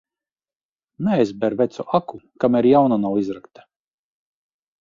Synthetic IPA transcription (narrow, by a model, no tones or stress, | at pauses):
nɛajzbɛɾvɛt̪suʔakukamɛɾjawnanawizɾakt̪ḁ